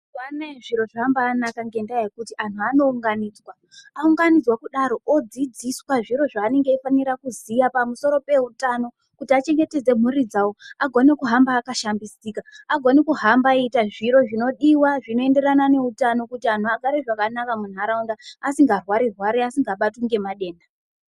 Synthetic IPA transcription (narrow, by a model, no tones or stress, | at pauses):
waneʐiɾo̞ʐambaːnakaŋɡe̞ndaajekutiantʰuano̞uŋɡaniːd͡zwa | auŋɡanid͡zwakuɗaɾo̞ʔod͡zid͡ziswaʐiɾo̞ʐaːne̞ŋɡeifaniɾakuzijapamuso̞ɾo̞pe̞utano̞ | kutiat͡ʃe̞ŋɡe̞te̞d͡ze̞m̤uɾid͡zawoaɡʱo̞nekuɦambaːkaʃambisiːkaaɡʱo̞nekuɦambaitaʐiɾo̞ʐino̞ɗiwaʐino̞e̞nde̞ɾanane̞utano̞kutian̤tuaɡʱaɾeʐakanakamun̤aɾaundaasiŋɡarwaɾirwaɾeasiŋɡaɓatuŋɡe̞maɗe̞ːnda